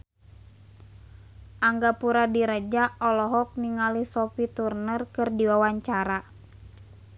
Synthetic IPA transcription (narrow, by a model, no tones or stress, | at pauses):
ʔaŋɡapuɾadiɾəd͡ʒaɔlɔɦɔk̚niŋalisɔfit̪urnərkɨrdiwawaɲt͡ʃaɾa